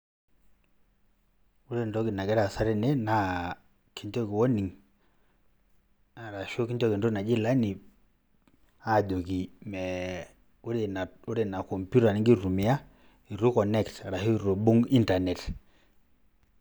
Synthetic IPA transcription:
u˦ɾɛ˦˨ndɔ˦ɡi˨na˨ɡɛ˦ɾa˨sa˦ɾɛ˦nɛ˦na˦ | ki˦ɲtɔ˦ki˨wɔ˦ni˨ŋ | a˨ɾa˨ʃo˦ki˦ɲtɔ˦ki˨ndɔ˦na˨d͡ʒi˦la˦ni˨ | a˦˨d͡ʒo˨ki˨mɛ˨ | u˦ɾɛ˨na˨u˦ɾɛ˨na˨ko˨mpju˦ta˨ni˨ŋɡi˦ɾu˨mi˨a˦ | i˨ɾu˦kɔ˨nɛ˦kta˨ɾa˨hu˦˨ɾo˨bu˦ŋi˦nta˨nɛ˨t

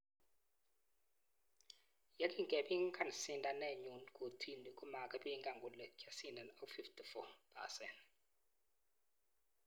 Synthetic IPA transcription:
ja˦kʼi˦˨ŋɡʼɛ˨ɓi˦ŋ˦kʰa˦˨n˨si˦˨nda˨nɛ˦˨ɲu˨nkʰʼo˨tʰi˦˨ni˨kʼu˦ma˨kʼa˦ɓi˦ŋɡa˨ŋɡu˨lɛ˨kʰa˨si˦nda˨no˦fi˦ftʰi˨fɔ˦˨pʰa̰˨sɛ˨nt

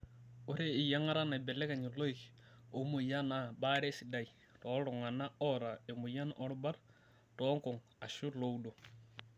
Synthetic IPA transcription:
o˦ɾe˦ɪ˨ja˦ŋa˦ɾa˦na˨bɛ˨lɛ˦ka˨ɲɪ˨lo˦i˨k | o˨˦mo˨ja˦na˨ba˦ɾe˦sɪ˨da˨i˨ | tɔ˨˦ɾʊ˨ŋa˨na˦ɔ˦ɾa˨e˨mu˨ja˦nʔɔ˦ɾba˦ɾ | tɔ˦ŋkʊ˨ŋ | a˨ʃu˦lo˦wdo˨

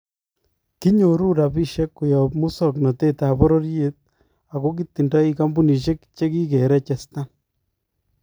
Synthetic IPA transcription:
ki˦ɲo˨ɾu˦ɾa˨bi˦ʃe˦kːu˨jɔ˨pmu˦sɔ˨knɔ˨te˦ta˨bɔ˦ɾɔ˦ɾje˦t̪̚ | a˨ko˦k̬i˦tːi˨ndɔ˦i˦ka˦mbu˦ni˨ʃe˦kt͡ʃe˦ki˦ke˨ɾɛ˦t͡ʃɛ˨sta˦

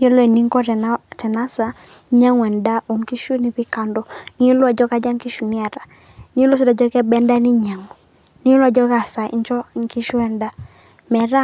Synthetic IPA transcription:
o˦lɔ˦ɛ˨ni˦ŋkɔ˦ɾɛ˨ntɛ˨na˦sa˨ | ɲa˦ŋwɛ˨nda˦o˨ŋki˦ʃu˦ni˨pi˦ka˨ndɔ˦ni˦o˦lɔ˦a˨d͡ʒɔ˦ka˦d͡ʒa˦ŋki˦ʃu˨nɪ˦a˨ɾa˨ | ni˦o˦lo˦s̬i˦da˨d͡ʒɔ˦kɛ˦bɛ˦nda˦ni˦ɲa˨ŋɔ˨ | ni˨˦o˦la˦˨d͡ʒɔ˦ɡa˨sa˨ḭ˦ɲt͡ʃɔ˦˨ŋki˦ʃu˦ɛ˨nda˦ | mɛ˨ɾa˦

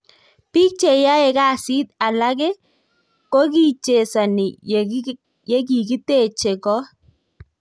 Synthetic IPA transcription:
pi˦k̚t͡ʃe˨ja˦ɛ˨ka˦˨si˦t̪a˨la˦k̬ɛ˦ | ko˦ki˦˨t͡ʃe˨sa˨ni˨ | je˦k̬i˨ki˦t̪e˦˨t͡ʃe˨kɔ˦

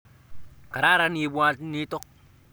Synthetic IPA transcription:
ka˨ɾa˦ɾa˦ni˨˦bwa˦tni˦tɔ˦k̚

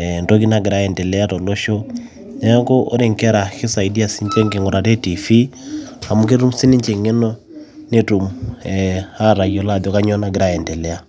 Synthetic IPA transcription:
ntɔ˦ki˦na˦ɡe˨ɾa˦ɛ˨ntɛ˨lɛ˦a˦tɔ˨lɔ˦ʃɔ˦ | nɛ˦ŋko˦ʔo̰˦ɾe˦˨ŋkɛ˦ɾa˨xe˦sa˨i˨di˦a˨si˦ɲt͡ʃɛ˦ŋke˨ŋo˨ɾa˨tɛ˦ti˨fi˦ha˨mu˦k̬e˦tu˦m˦si˦ni˦ɲt͡ʃɛ˨ŋɛ˦nɔ˦ | ne˦tu˨mɛha˦ɾa˨iɔ˨la˦˨ðɔ˨ka˦ɲɔ˦na˦ɡɪ˨ɾa˦ɛ˨ntɛ˨lɛ˦a˦

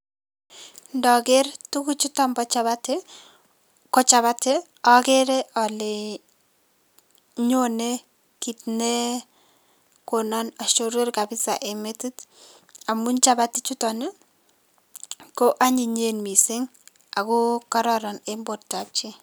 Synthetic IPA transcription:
ndɔ˨ke˦rtu˦ku˦t͡ʃu˦tɔ˦mbɔ˦t͡ʃa˨βa˦te˦ | kɔ˦t͡ʃa˨βa˦te˦ | ɔ˦ke˦ɾe˦ɔ˨le˨ | ɲo˦ne˦ | ki˨tne˦ | konɔ˦na˨ʃo˨ɾe˦rka˨bɪ˦sa̰˨ʔe˨me˦ti˦t | a˨mu˦nt͡ʃa˦ba˦ti˦t͡ʃu˦tɔ˨ne˦ | ko˦ʔa˦ɲi˨ɲe˦nmi˨sɪ˦ŋ | a˨ku˦ka˦ɾɔɾɔ˨nembo˨tta˨p̚t͡ʃi˦

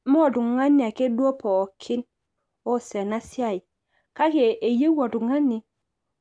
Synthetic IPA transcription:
mo˦˨du˨ŋa˦nːi˨a˨ke˦du˦o˦pʰɔ˨kʰi˦n | o˦˨sɛ˨na˦si˦a˦i˨ | ka˦ke˨e˨je˦wo˨du˨ŋa˦nːi˨

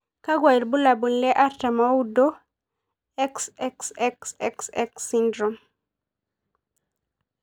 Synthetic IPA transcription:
ka˦ɡwa˨i˨lbu˦la˨bu˨nlɛ˦ʔa˦ɾta˨ma˦udo˦ | ɛ˦ksɛksɛksɛ̰˦ksɛ˦ksindɾom

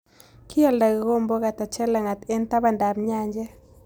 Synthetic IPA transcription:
ki˦ɔ˦˨lda˨ɡɪ˨ɡo˦mbo˦ka˨ta˨t͡ʃɛ˦la˨ŋa˨t̪ɛ˦nta˦ba˨nda˨mɲa˦ɲd͡ʒɛ˦

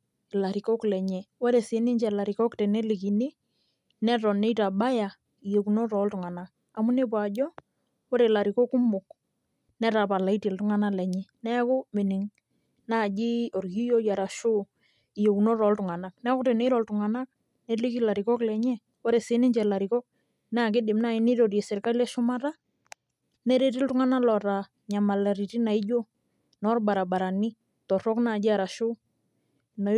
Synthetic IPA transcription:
ɪ˨la˨ɾi˨kɔ˦klɛ˨ɲɛ˨wɔ˦ɾe˨se˨˦nɪ˦ɲd͡ʒɛ˨la˨ɾi˨kɔ˦kte˨ne˦li˨ki˨ni˦ | nɛ˦tɔ˨ne˦ta˨ɓa˦ja˨ | i˨jo˨ku˨no˦ɾɔ˨˦ltʊ˨ŋa˨na˦k | a˨mʊ˦ne˦p̬wa˨d͡ʒɔ˦ | o˦ɾe˨la˨ɾi˨ko˦kʊ˦mʊ˨k | nɛ˦ta˨pa˨la˨i˦ti˨ltʊ˦ŋa˦na˦lɛ˨ɲɛ˦nɛ˦kʊ˦mɪ˨nɪ˨ŋ | na˦˨d͡ʒi˦o˨ɾɡi˦jo˦ja˨ɾa˨ʃo˦˨ | jo˨kno˦ɾɔ˨ltʊ˨ŋa˨na˦k̚nɛ˦kʊ˦te˨ne˦ɾɔ˨ltʊ˨ŋa˨na˦k̚ | nɛ˦li˦ki˦la˨ɾɪ˨kɔ˦klɛ˨ɲɛ˦ | wɔ˦ɾe˨sɪ˦nɪ˦ɲt͡ʃɛ˨la˨ɾɪ˨kɔ˦k̚ | nɛ˦a˨k̬ɪ˦dɪ˨mna˦˨ɪ˦nɪ˦ɾo˨rje˨sɪ˨ɾka˦lɛ˦ʃʊ˦ma˦ta˦ | nɛ˦ɾe˦tɪ˦ltʊ˦ŋa˦na˦lɔ˨ɾa˨ | ɲa˨ma˨la˨ɾi˨ti˦na˨i˦d͡ʒo˦ | nɔ˦rba˨ɾa˨ba˨ɾa˨ni˦ | tɔ˨rɔ˦kna˦˨d͡ʒɪ˦a˨ɾa˨ʃʊ˦ | na˨˦

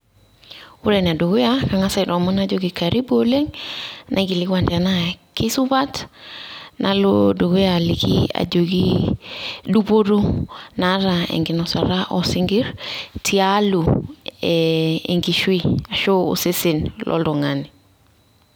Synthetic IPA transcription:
u˦ɾen˨a˨do˨ɡu˦jaka˨ŋa˦sa˦da˨mu˦nad͡ʒoɡi˨ka˨ɾi˦bole˦ŋnʔa˦ɡi˨liɡwanda˨na˦ki˦su˦ba˦t | nʔa˨lodo˨ɡu˦ja˨likḭa̰˨d͡ʒoɡi | du˦po˦du˦na˦ɾaḛ˨ŋɡi˨nɔsa̰˨ɾa˦ʔɔ˨si˦ŋɡi˦ɾtʰi˦alu | ḛ˨ŋɡi˨ʃwi˦a˨ʃo˦ṵ˨se˦si˨nlʔɔ̰ldɔ˨ŋani

